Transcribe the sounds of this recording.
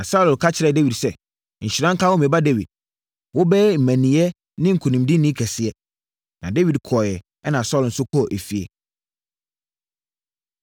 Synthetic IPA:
nã˨sa˦lʊ˨lkʰa˦t͡ɕʰɪ˨ɾɛ˨de˦wi˨dsɛ˦ | ɲ̩˨ɕi˨ɾã˦ŋ̩˦kʰa˦wɔ˦m˨ɛ̃˨ba˦de˦wḭ˨d̚ | wɔ˦bɛ˦m̩˨mæ̃˨nĩ˨ɛ˦ | nɪ̃˦ŋ̩˨kʰu˨nĩ˨mdɪ˦nĩ˦kʰɛ˨sɪ˨ɛ˦ | nã˨de˦wi˨dkʰɔ˨jɛ˨ | ɛ˦nã˨sɔ˦ln̩˦sʊ˦kʰɔ˦˨ʔe˨fi˨ḛ˨

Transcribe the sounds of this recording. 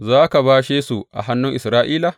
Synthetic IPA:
zaː˦ka˨baː˦ʃeː˦su˨ʔa̰˨ɦa˦nːʊ˦ŋʔɪ˨sɾaː˦ʔiː˦la˨

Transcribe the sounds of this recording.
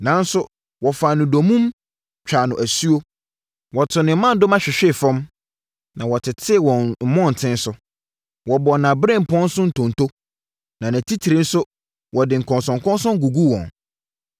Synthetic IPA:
nã˨˦n˦sʊ˦ | wɔ˨fa˨nʊ̃˨do˨mũ˦m | t͡ɕᶣʰa˨nʊ̃˨ʔæ˨su˦o˦ | wɔ˨tʰʊ˨nɪ̃˨m˦mã˦n˦dʊ˦mã˦ɕᶣɪ˨ɕᶣɪ˦˨fɔ̃˦m | nã˨wɔ˨tʰɪ˨tʰɪ˦˨wɔ̃˨n̩˦mɔ̃˦˨n̩˨tʰɪ̃˦n˦sʊ˦ | wɔ˨bɔ˨nã˨bɾɛ̃˦˨m̩˨pʰɔ̃˦n˦sʊ̃˦n̩˨tʰɔ̃˨n˨tʰo˦ | nã˨næ̃˨tʰi˦tʰi˨ɾĩ˦n̩˦sʊ˦ | wʔɔ˨dɪ̃˨ŋ̩˨kʰɔ̃˨nsɔ̃˨ŋkʰɔ̃˦nsɔ̃˦ŋɡu˨ɡu˦wɔ̰̃˨n

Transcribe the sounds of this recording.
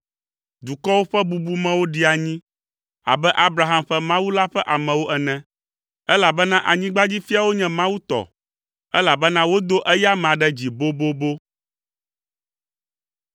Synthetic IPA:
d̪u˨kɔ˦wo˦ɸɛ˦bu˨bu˦mɛ̃˦wo˦ɖi˦a˨ɲĩ˦ | a̰˨bɛ˦ʔa˦bɾa˨ɦa˦˨mɸɛ˦mã˦wu˦la˦ɸɛ˦ʔa˨mɛ̃˨wo˦ʔɛ˨nɛ̃˨ | ɛ˦la˨bɛ˦nã˦ʔa˨ɲĩ˦ɡ͡ba˦d͡ʑi˦fi˦a˦˨wo˦ɲɛ̃˦mã˦wu˦t̪ɔ̰˨ | ɛ˦la˨bɛ˦nã˦wo˦d̪o˦ʔɛ˦ja˦mɛ̃˨a˨ɖɛ˦d͡ʑi˨bo˦bo˦bo˦

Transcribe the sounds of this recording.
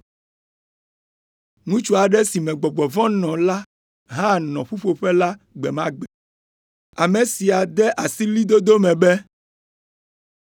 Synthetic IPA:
ŋũ˦t͡ʃu˦a˨ɖɛ˦si˨mɛ̃˨ɡ͡bɔ˨ɡ͡bɔ˨vɔ̃˦nɔ̃˨la˦ | ɦã˦nɔ̃˨ɸu˦ɸo˨ɸɛ˦la˦ | ɡ͡bɛ˨mã˦ɡ͡bɛ˨ | a˨me˨si˨a˨d̪ɛ˦ʔa˨si˦li˦d̪o˦d̪o˦mɛ̃˨bɛ˦

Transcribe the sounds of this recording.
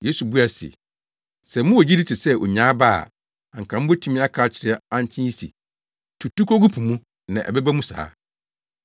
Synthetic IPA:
je˦su˨bu˦a˨sḛ˨ | sɛ˨˦mʊ̃˦wo˨d͡ʑi˦di˦t͡ɕʰɪ˨sɛ˦ʔo̰˨ɲãː˨˦ba̰ː˦˨ | ã˨ŋ̩˨kʰã˨m̩˦bo˦tʰũ˦mĩ˦a˦kʰaː˦t͡ɕʰɪ˨ɾɛ˦ã˦n˦t͡ɕʰɪ̃˦i˦sḭ˨ | tʰu˨tu˦ko˦ɡu˦pʰũ˨mũ˦ | nã˨ʔɛ̰˨bɛ˦bæ˦mũ˦sa̰ː˦

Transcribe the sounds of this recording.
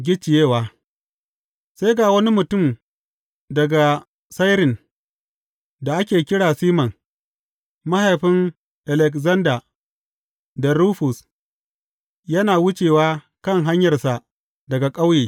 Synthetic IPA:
ɡʲɪ˦t͡ʃːɪ˨jeː˦waː˨˦ | sa˦jɡaː˨wɐ˦ni˦mʊ˨tʊ˦˨m | dɐ˨ɡa˨ | sa˦jɾɪ˨n | da˨ʔa˦kʲeː˨kʲɪ˦ɽaː˨siː˦mɐ˨ŋ | ma˦ha˨jɸɪ˦ŋ | ʔa˨lɛ˨kzɐ˦ndaː˨ | da˨ɾuː˦ɸʊ˨s | jɐ˦naː˨wʊ˦t͡ʃeː˨waː˦ | kɐ˦˨ŋɦa˦ɲjɐ˨rsa˨ʔ | dɐ˨ɡa˨kʼa˦wjeː˨

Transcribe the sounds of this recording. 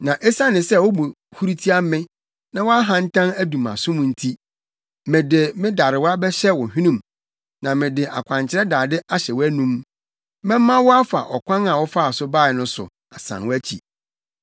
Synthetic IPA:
nã˨ʔɛ˦sa˦nɪ̃˨sɛ˦˨wɔ˦bo˨ | hu˦ɾi˦tʰi˦a˦mɪ̃˦ | nã˦wɔ˦a˦ɦã˨n̩˦tʰã˦næ˦dũ˨ma̰˨sʊ̃˦mũ˨n̩˦tʰi˦ | mɪ̃˨dɪ˨mɪ̃˦da˨ɾɪ˨wa˦bɛ˦ɕɛ˦wɔ˨ɦᶣĩ˦nũ˦m | nã˨mɪ̃˨dɪ˨ʔa̰˨kʷʰã˨ɲt͡ɕʰɪ˦ɾɛ˦daː˨dɪ˦ʔa˦ɕɛ˨wɔ˦æ˦nũ˦m | mɛ̃˦m˦mã˦wɔ˦a˦fa̰˨ʔɔ˨kʰʷã˦nã˨wɔ˦fa˦a˨sʊ˦baː˦˨ɪ˨nʊ̃˦sʊ̰˨ | a˨sã̰˨nwɔ˦æ˦t͡ɕʰḭ˨

